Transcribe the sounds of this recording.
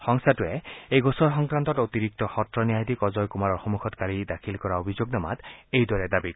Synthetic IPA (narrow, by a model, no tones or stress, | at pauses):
xɔŋsatuɛejɡosɔɹxɔŋkɹant̪ɔtot̪iɾik̚tɔxɔtɹɔniajd̪ikɔzɔjkumaɹɔɹxomuxʰɔtkaɹidakʰilkɔɹaobʱizoɡnama̰t̪ejdɔɹɛdabik